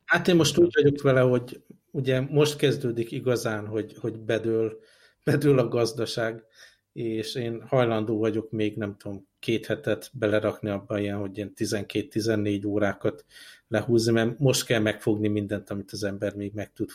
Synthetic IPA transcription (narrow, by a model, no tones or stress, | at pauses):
haːt̪eːmmo̞ʃt̪uːɟʋɒɟo̞kʋɛlɛho̞ɟ | uɟɛmo̞ʃt̪kɛzd̪øːd̪ikiɡɒzaːnɦo̞ɟho̞ɟbɛd̪øːl | b̥ɛd̪ølɒɡɒzd̪ɒʃaːɡ | eːʃeːnhɒjlɒnd̪oːvɒɟo̞kmeːɡnɛmt̪uomkeːt̪hɛt̪ɛt̪bɛlɛɾɒkniɒbːɒijɛnɦo̞ɟeːnt̪izɛŋkeːt̪ːizɛnːeːɟoːɾaːkɒt̪lɛhuːznimɛmo̞ʃt̪kɛlmɛkfo̞ɡnimind̪ɛnt̪ɒmit̪ɒzɛmbɛrmeːɡmɛk̚t̪ut̪